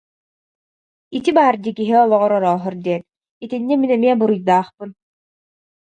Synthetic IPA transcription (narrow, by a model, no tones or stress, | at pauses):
it̪ibaːɾd̪ikiɦiɔlˠɔʁɔɾɔɾɔːɦɯɾd̪iɛn | it̪inːiminɛmiɛbuɾujd̪aːχpɯn